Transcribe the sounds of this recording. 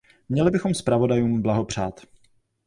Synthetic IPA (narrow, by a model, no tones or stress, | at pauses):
mɲɛlɪbɪxo̞mspɾavo̞dajuːmblaɦo̞pr̝̥aːt̪